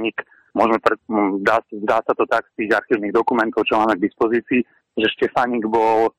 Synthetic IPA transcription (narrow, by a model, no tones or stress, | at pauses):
ɲik | mʊɔʒmɛpɾɛzd̪aːszd̪aːsat̪ɔt̪akst̪iːɣaɾxiːʊniːɣd̪ɔkumɛnt̪ɔʊt͡ʃɔmaːmɛɡ̚d̪ispɔziːt͡siː | ʒɛʃcɛfaɲiɡbɔl